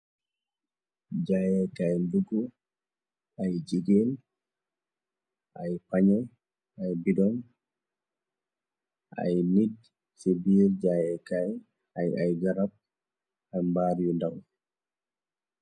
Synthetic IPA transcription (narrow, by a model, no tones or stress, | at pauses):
d͡ʒajɛkajnduɡɔ | ajd͡ʒiɡɛl | ʔajpaɲɛ | ajbidɔn | ʔa̰jnid | sibiɾd͡ʒajɛkaj | ajajɡaɾab̚ | ajmbaːɾijɔndaw